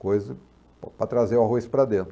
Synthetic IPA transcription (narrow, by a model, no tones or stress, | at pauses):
kojzɐ | ppɾɐt̪ɾazeɾaɦojspɾɐd̪ẽnt̪ɾ